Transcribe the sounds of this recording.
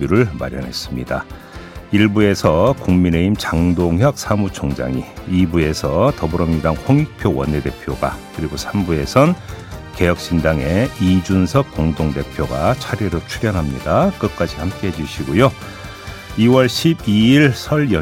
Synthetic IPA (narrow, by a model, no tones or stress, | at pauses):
uɾɯɭma̰ɾjʌ̰nɦe̞s͈ɯmɲida | iɭbue̞sʰʌkuŋmine̞imt͡ɕaŋdoŋɦjʌk̚sʰamut͡ɕʰʌŋd͡ʑa̰ŋḭibue̞sʰʌtʌbuɾʌmɲiɾaŋɸwʌŋik̚pʰjowʌ̰nːede̞pʰjoɡa̰kɯɾiɡosʰambue̞sʰʌnke̞jʌk̚ɕ͈indaŋe̞id͡ʑunsʰʌk̚k͈oŋdoŋde̞pʰjoɡat͡ɕʰaɾjeɾot͡ɕʰuɾjʌnɦamɲidak͈ɯk͈ad͡ʑihamk͈e̞ɦed͡ʑuɕʰiɡojo | iwʌɭɕʰibiiɭsʰʌɭjʌ